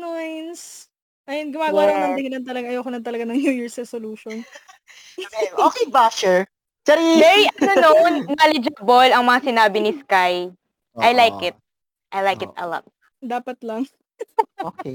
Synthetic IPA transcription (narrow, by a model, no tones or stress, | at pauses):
nojns | ʔɐjɐnɡʊmaːɡalɐɐnɐhɪlɐnt̪ɐlɐɡaɐjoːkonɐnt̪ɐlɐɡanɐŋjujuɹsɾɛsoluːʃon | eʔoːkɛjbaʃɛɹ | t͡ʃɛɾimɛɹiʔɐɐnonːalɛd͡ʒɐbolɐŋmɐŋasɪnaːbɪnɪskaj | ʔɐjlajkɪt̪̚ | ʔɐjlajkɪt̪̚ɐ̰lɔ̰t̪̚ | d̪aːpɐt̪lɐŋ | ok